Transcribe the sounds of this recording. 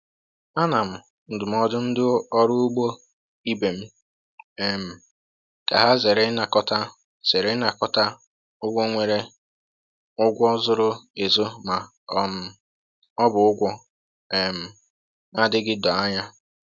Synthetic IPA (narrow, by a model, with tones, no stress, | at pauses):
a˦na˨m̩˨ | n̩˨dʊ˨m̩˦ɔ˦dʊ˦n̩˦dɪ˦ɔ˦ɾʊ˦u˦ɡ͡bo˦ | i˦be˨m̩˦ | e˨m̩˨ | ka̰˨ɦa˦ze˨ɾe˦na˨kɔ˦ta˦ | z̥e˨ɾe˦na˨kɔ˦ta˦ | ʊ˦ɡʷo˦ŋʷe˨ɾe˦ | ʊ˦ɡʷɔ˦zʊ˦ɾʊ˦e˨zo˦ma˨ | ɔ˨m̩˦ | ɔ˦bʊ˨ʊ˦ɡʷɔ˦ | e˨m̩˨ | a˦dɪ˦ɡɪ˦dɔ˨a˦ɲa˦